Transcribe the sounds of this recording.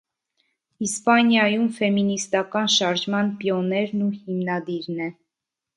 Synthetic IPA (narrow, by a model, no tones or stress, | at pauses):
ispɑnjɑjumfɛminist̪ɑkɑnʃɑɾʒmɑnpjɔnɛɾnuhimnɑd̪iɾnɛ